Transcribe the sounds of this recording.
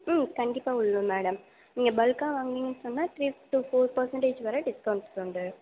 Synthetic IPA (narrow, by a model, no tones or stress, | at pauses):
kɐɳɖɪpːaːʊɭːumeːɽɐm | niːŋɡɐbɐlkãːʋaːŋɡiŋɡɐnsɔnːaːt̪ʰɾiːʈufoːɾpɐɾsɐɳʈeːt͡ʃɨʋɐɾɐɖɪskɐwɳɖsoɳɖɯ